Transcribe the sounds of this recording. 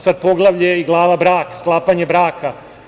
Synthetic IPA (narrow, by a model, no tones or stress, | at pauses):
sad̪̚po̞ɡlˠaʋʎeiɡlˠaːʋabɾaːksklˠaːpaɲebɾaːkʰa